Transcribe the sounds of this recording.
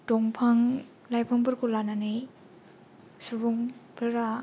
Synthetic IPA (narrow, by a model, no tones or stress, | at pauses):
dɔŋpʰaŋ | lajpʰaŋbɯɾkʰolananɯj | subuŋpʰɯɾa